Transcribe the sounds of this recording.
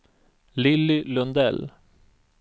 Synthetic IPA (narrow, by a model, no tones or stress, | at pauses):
lɪlːɪlɵnd̪ɛ̰l